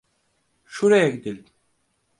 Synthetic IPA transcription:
ʃuɾajaɡʲid̪ilʲd̪i

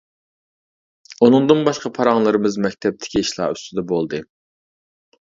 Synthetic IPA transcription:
unɨŋd̪ɨnbɑʃqɑpʰɑɾɑŋlˠɨɾɨmɨzmɛkʲt̪ʰɛp̚t̪ʰɪ̥kʲiːʃlˠɑ̰ːyst̪ʰyd̪ɛbolˠd̪ɨ

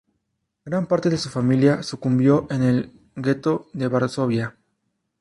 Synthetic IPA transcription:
ɡ̥ɾampaɾt̪e̞ðe̞sufamiljasukumbjo̞ʔe̞ne̞l | ɡe̞t̪o̞ðe̞βaɾso̞βja

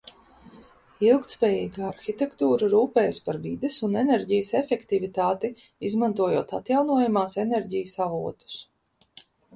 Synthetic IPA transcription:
ilˠkt̪spɛːjiːɡaaɾxit̪ɛkt̪uːɾaɾuːpɛːjspaɾvid̪esunɛnɛɾɟijəsɛfɛkt̪ivit̪aːt̪i | izmant̪uɔjuɔːt̪at̪jawnuɔjamaːsɛnɛɾɟijəsavuɔt̪u̥s

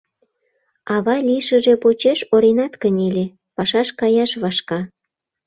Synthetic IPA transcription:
ɑβɑlʲiʃəʒe̽pot͡ɕeʃoɾenɑt̪kənʲelʲe | pɑʃɑʃkɑjɑʃβɑʃkɑ

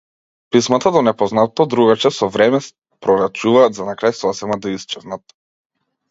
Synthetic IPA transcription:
pismat̪ad̪ɔnɛpɔznat̪ɔd̪ɾuɡat͡ʃɛsɔvɾɛmɛs | pɾɔɾat͡ʃuvaːd̪zanakɾajsɔsɛmad̪aist͡ʃɛznat̪

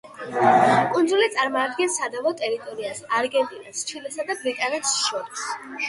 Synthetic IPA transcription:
kʼund̪zulit̪sʼaɾmɔːd̪̚ɡɛnsad̪avɔt̪ʼɛɾit̪ʼɔɾiasaɾɡɛnt̪ʼinast͡ʃʰilɛsad̪abɾit̪ʼanɛt̪sʃɔɾis

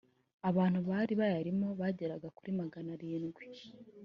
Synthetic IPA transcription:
aβaːn̥huβaːɾiβajaɾimo̞βaɟe̞ɾaɡakuɾimaɡanaɾiːnɡwi

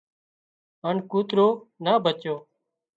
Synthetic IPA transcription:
ənkuːt̪ɾoːnaːbʱət͡ʃjoː

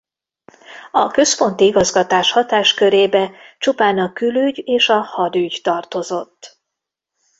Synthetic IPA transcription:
ɒkø̞spo̞nt̪iiɡɒzɡɒt̪aːʃhɒt̪aːʃkø̞ɾeːbɛt͡ʃupaːnɒkylyɟeːʃɒhɒd̪yɟt̪ɒrt̪o̞zo̞t̪ː

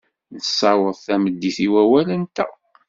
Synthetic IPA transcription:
nəsːɑwəðˤθæməd̪ːiθiwæwælənt̪æ̰

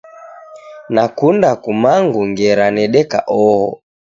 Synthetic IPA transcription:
nakundakumaŋɡuŋɡɛɾanɛɗɛka̰ʔɔhɔ̰

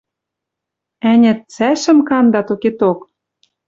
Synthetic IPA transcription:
ænʲɘ̆t̪̚t͡sæʃɘ̆mkɑnd̪ɑt̪oket̪ok

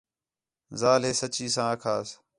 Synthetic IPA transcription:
zaːleːsət͡ʃiːsãːəkʰaːs

